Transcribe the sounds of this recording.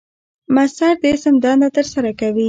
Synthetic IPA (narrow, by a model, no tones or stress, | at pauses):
masaɾd̪əɪsəmd̪ɑnat̪əɾsaɾakawi